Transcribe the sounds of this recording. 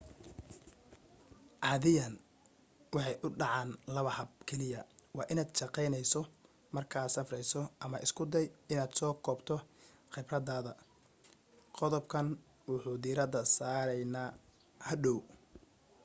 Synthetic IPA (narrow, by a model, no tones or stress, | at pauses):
ʕɑːðɪjɐn | wɑħɑjʔʊɖɑʕɑːnlɐβɐħɐb̚kʰɛlɪjɐwɑːʔɪnaːd̪ʃɑqɛjnɛjsɔ | mɐrkʰaːsɐfrɛjsɔʔɐmɐʔɪskʰʊd̪ɛjɪnaːd̪sɔːkʰɔːbt̪ʰɔ | χɪbrɐðaːðɐ | qɔðɔbkʰɐn | wʊħuːd̪iːɾɐd̪ɐsaːɾɛjnaː | hɐɖɔw